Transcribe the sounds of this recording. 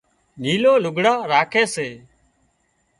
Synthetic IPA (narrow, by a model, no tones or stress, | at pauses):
niːloːlʊɡʱɽaːɾaːkʰeːseː